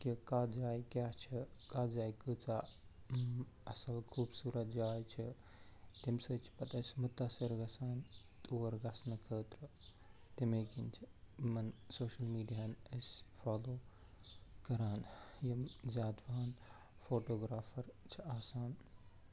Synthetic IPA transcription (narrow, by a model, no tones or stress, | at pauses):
kikaːd͡ʒaːjkʲaːt͡ʃʰikaːd͡ʒaːjkɨt͡sa | ɐsɐlkʰuːbsuːɾɐt̪̚d͡ʒaːjt͡ʃʰi | t̪imsəːt͡ʃʰi̥pɐt̪ɐsmut̪ɐsiɾɡɐsaːn | t̪uːʋɐɾɡɐsnɐkʰəːt̪ɾɨ | t̪imeːkint͡ʃʰimɐnsoːʃɐlmiːɖijaːnɐsfaːloː | kɐɾaːnjɐmzaːd̪ʋaːn | foːʈoːɡɾaːfʰɐɾt͡ʃʰiaːsaːn